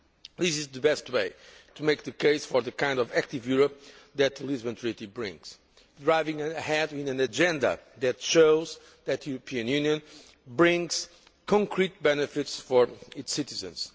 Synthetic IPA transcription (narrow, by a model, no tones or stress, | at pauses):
ðɪsizðɨbɛstweɪt̪ʰumeɪjk̚ðɨkʰeɪsfɔ˞ðɨkãɪ̃ndɔvæk̚t̪ivjuɹɔp̚ | ðɨt̪lˠizbə̃nt̪ʰɹ̥itibɹɪ̰̃ŋz̥ | dɹaɪvĩŋːhɛdĩnɨ̃nɨd͡ʒɛ̃nd̪ɐ̰ðɨtʃoʊz | ðɨt̪ɨjuɾupʰiɨ̃njʉ̃njɨ̃n | bɹĩŋz̥ | kʰɔ̃ŋkʰɾit̪̚bɛnɨfɪtsfɔɹitsɪtizɨ̰̃nz̥